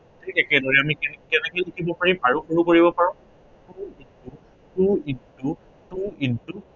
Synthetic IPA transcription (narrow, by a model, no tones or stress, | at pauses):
ekɛkɛdɔɹɛamikɛkɛnɛkɔjlikʰibɔpaɹimpaɹukoɹukoɹibɔpaɹʊ̃ | kuintu | tuintu | tuintu